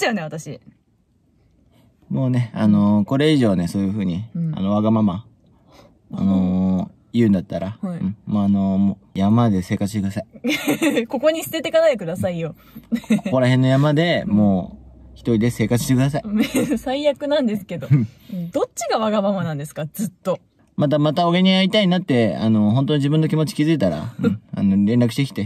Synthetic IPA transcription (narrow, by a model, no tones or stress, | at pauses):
joneat̪aɕi | mo̞ːne̞ano̞ko̞ɾe̞iʑo̞ːne̞so̞ːjɯ̟ɸɯ̟ːɲ̟ia̰no̞βaɡamama | a̰no | jɯ̟̃ːnd̪at̪ːaɾaɯ̟̃ɴmoːano̞mo | jamad̪e̞se̞ːkat͡sɨ̥ɕt̪ekɯd̪asai | ko̞ko̞ɲ̟isɨ̥t̪e̞t̪e̞kanaekɯ̟d̪asaijo̞ | koko̞ɾaɦẽ̞nːo̞jamad̪e̞mo̞ːçi̥t̪oɾʲid̪e̞se̞ːkat͡sɨ̥ɕt̪ekɯd̪as̬aisaijakɯ̟nãnd̪e̞sɨ̥ke̞d̪o̞d̪̥o̞tt͡ɕiɡaβaɡamamanãnd̪e̞sɨ̥kad͡zɨt̪ːo̞ | mat̪̬amat̪aoɡeɲ̟iait̪ainat̪ːe̞a̰no̞ɦo̞nt̪o̞ɲiʑibɯ̃nːokʲimo̞t͡ɕi̥kʲizɨit̪aɾa̰ɯ̃ɴa̰no̞ɾẽ̞nɾakɯ̟ɕit̪e̞kʲi̥t̪e̞